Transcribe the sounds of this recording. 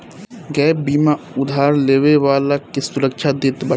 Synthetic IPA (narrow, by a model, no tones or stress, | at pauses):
ɡɛbiːma | ʊd̪ʱaːɾleːʋeʋaːlakesʊɾəkʃʰad̪et̪bə